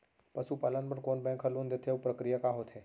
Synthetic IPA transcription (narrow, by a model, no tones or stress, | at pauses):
pəsupalənpəɳkonbɛ̃ŋkʰɦəlund̪et̪ʰeʋupɾəkɾijakaɦot̪ʰe